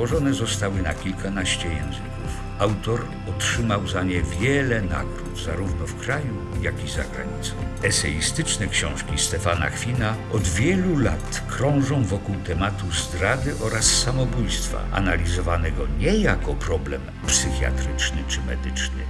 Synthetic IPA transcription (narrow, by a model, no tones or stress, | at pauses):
wɔʐɔnɛzɔst̪awɘnakʲilkanaɕt͡ɕɛjɛ̰̃w̃zɘkuf | awt̪ɔɾ | ɔtʂɘmawzaɲɛvʲjɛlɛna̰ɡɾud̪zaɾuvnɔfkɾaju | jakʲiza̰ɡɾa̰ɲit̪sɔ̃w̃ɛsɛist̪ɘt͡ʂnɛkɕɔ̃w̃ʂkʲist̪ɛfana̰xfʲinaɔd̪vʲjɛlula̰t̪kɾɔ̃w̃ʐɔ̃w̃vɔkuwt̪ɛmat̪uzd̪ɾad̪ɘʔɔɾasːamɔbujst̪fa̰ʔa̰nalʲizɔvanɛɡɔɲɛjakɔpɾɔblɛm | psɘxʲja̰t̪ɾɘt͡ʂnɘt͡ʂɘmɛ̰d̪ɘt͡ʂnɘ̰